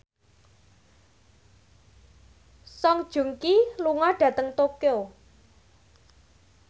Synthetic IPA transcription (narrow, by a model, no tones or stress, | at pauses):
sɔŋd̥ʒ̥ṳŋkiluŋɔɖ̥ä̤t̪əŋt̪okeo